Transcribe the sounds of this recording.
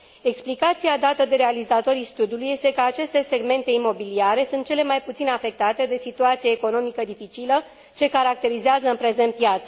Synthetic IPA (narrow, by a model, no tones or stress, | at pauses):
e̞ksplikat̪siad̪at̪əd̪e̞ɾe̞alizat̪o̞ɾijst̪ud̪ijuluje̞st̪e̞kəat͡ʃe̞st̪e̞se̞ɡme̞nt̪e̞imo̞biliaɾe̞sunt̪̚t͡ʃe̞le̞majput̪sinafe̞k̚t̪at̪e̞d̪e̞sit̪uat̪sijeːko̞no̞mikəd̪ifit͡ʃilə | t͡ʃe̞kaɾak̚t̪e̞ɾizeazəɨnpɾe̞ze̞nt̪̚pjat̪sə